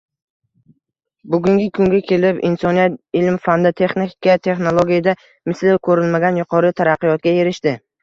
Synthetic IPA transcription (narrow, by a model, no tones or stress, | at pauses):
bʊɡʲʊŋɡʲɪkʰʊŋɡʲakʲʰe̞lɪpɪ̰nsɒnijat̪̚ɪlmfand̪ɪt̪ʰe̞χnikʲkʲat̪ʰe̞χnolˠoɡʲijad̪a | mɪslɪkʰɵɾɪlmaɡʲanjʊqʰɒɾɪt̪ʰaɾaqːɨjɒt̪̚ɡʲae̞ɾɪʃt̪ɪ